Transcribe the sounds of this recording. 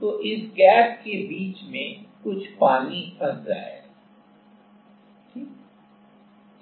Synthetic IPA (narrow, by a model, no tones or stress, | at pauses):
t̪oʔɪsɡɛːp̚kebiːt͡ʃmẽkʊt͡ʃʰpaːnibɐɾd͡ʒa̰ːeː